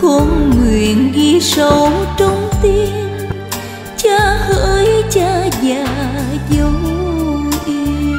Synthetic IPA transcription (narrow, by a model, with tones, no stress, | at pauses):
kɔ˧˦nŋwi˨˩ənɣi˧sə˨˦wt͡ɕə˧wŋ͡mt̪i˧ən | t͡ɕaː˧həː˧jt͡ɕaː˧˥zaː˧˩zə˨˦w | ʔi˧